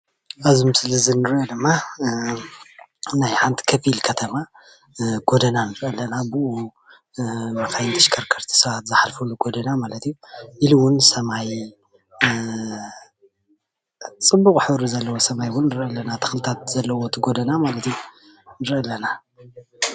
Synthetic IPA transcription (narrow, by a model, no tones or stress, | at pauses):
ʔazimɨsɨlɨzinɨɾʔod̪ɨmːa | najħant̪ʰi̥kʰɐfilkʰɐt̪ʰɐma | ɡ̥od̪ɐnanɨɾʔɐlːɐnabuʔu | mɐkajnt̪ʰɐʃkʰɐɾkʰɐɾt̪ʰi̥sɐβat̪zɨħalfulːuɡo̞d̪ɐnamalɐt̪ijuʔilwʊnsɐmaj | t͡sʼɨbːukʼħɨβɾuzɐlːɐwo̞sɐmajwʊnːɨɾʔɐlːɐnat̪ʰɐ̥xlɨt̪ʰat̪̚z̥ɐlːɐwo̞t̪ʰɨɡo̞d̪ɐnamalɐt̪iju | nɨɾʔɐlːɐna